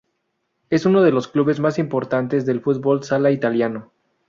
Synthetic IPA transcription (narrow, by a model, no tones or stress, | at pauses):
e̞suno̞ð̞e̞lo̞skluβe̞zmasimpo̞ɾt̪ant̪ezðe̞lfut̪̚bo̞lsalait̪aljano